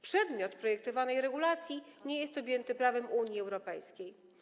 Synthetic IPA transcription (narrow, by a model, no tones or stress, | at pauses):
pʂɛd̪mʲjɔt̪pɾɔjɛk̚t̪ɔvanɛjɾɛɡulat̪sʲjiɲejɛst̪ɔbjɛnt̪ɘpɾavɛmuɲiɛwɾɔpɛjskʲej